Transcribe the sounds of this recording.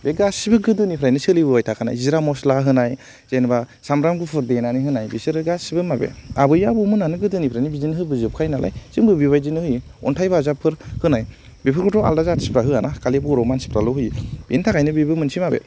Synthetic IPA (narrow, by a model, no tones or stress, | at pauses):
beɡasibɯɡɯdɯnipʰɾajnɯsɯlibɯwajtʰakʰana̰jziɾamɔslaɦɯnaj | z̥enbasamɾamɡupʰɯɾdenaniɦɯnajbisɯɾɯɡasibɯmabḛabɯjabumɯnanɯɡɯdɯnipʰɾajnibizinɯɦɯbɯzɯp̚kʰajnalʔa̰jsiŋbɯbiβajzinɯhɯj | ɔntʰajbazapʰːɯɾhɯnaj | bipʰɯɾkɯtɔa̰ldazatsi̥pʰɾaɦɯanakalibuɾɔmansi̥pʰɾalɔɦɯjb̥entʰakajnɯbibɯmɯnsʰimabḛ